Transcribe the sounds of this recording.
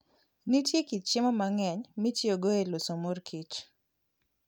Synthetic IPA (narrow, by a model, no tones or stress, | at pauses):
nitjekit͡ʃt͡ʃɪmɔmaŋɛɲmitjoɡoelosomorkʰit͡ʃ